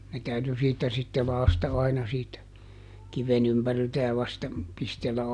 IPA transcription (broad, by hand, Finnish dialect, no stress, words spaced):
ne tæyty siːtːæ sitːe lɑːstɑ ɑinɑ siːtæ kiʋen ympæriltæ jɑ ʋɑstɑ pistelːæ